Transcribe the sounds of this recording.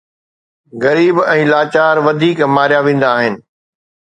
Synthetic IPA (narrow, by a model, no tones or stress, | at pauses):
ɣɐɾiːbɛ̃ːlaːt͡ɕaːɾʋɐd̪ʱiːkmaːɾijaʋẽːn̆d̪aːɦɪnɪ̆